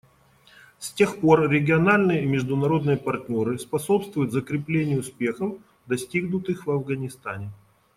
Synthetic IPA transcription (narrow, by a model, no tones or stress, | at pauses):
sʲtʲe̞xpo̞rɾʲɪɡʲɪɐnalʲnɨjəimʲɪʐd̪ʊnɐɾo̞d̪nɨjəpɐrtʲnʲo̞ɾɨspɐso̞pst̪vʊjʊt̪zəkɾʲɪplʲenʲɪjəʊspʲe̞xəf | d̪ɐsʲtʲiɡnʊt̪ɨxvɐvɡənʲɪst̪anʲɪ